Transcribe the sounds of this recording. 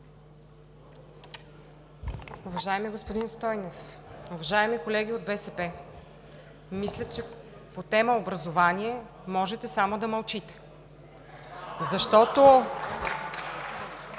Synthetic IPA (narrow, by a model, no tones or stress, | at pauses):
ʊvɐʒaɛmiɡospod̪inst̪ɔjnofʊvɐʒaɛmikolɛɡʲiod̪̚bɛsɛpɛ | mislʲət͡ʃɛ | pot̪ɛməobɾɐzovaniɛ | mɔʒɛt̪ɛsamod̪ɐmɐlˠt͡ʃit̪ɛ̥ | zɐʃt̪ɔt̪o